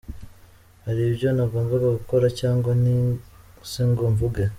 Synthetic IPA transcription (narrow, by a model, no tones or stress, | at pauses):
haɾibjonaβoːɱvuɡaɡuko̞ɾacaːŋɡwani | seŋɡoɱvuɡe